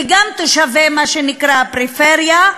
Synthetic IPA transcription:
iɡamt̪oʃavemaʃenikʁapʁifeʁja

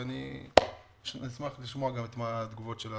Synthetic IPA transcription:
ani | ʃnismaχliʃmo̞aɡamit̪mad̪ɡuvo̞tʃela

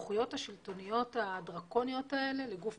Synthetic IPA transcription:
χujo̞thaʃilto̞nijo̞tadʁako̞nijo̞tae̞le̞leɡuf

